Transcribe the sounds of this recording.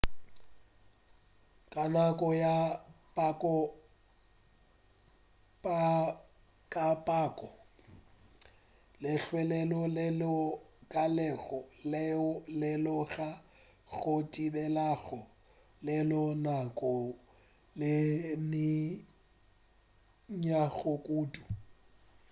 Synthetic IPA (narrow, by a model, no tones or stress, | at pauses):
kʼanakʼɔjapʼakʼɔ | pʼa | kʼapʼaːkʼɔ | lɪɬʰwɛlɛlɔllɔkʼalɛɣɔllɛlɔɣa | ɣotʼibɛlaɣɔ | lɛlɔnakʼɔ | lɪnɪ | ɲaɣʊkʼuːtʼu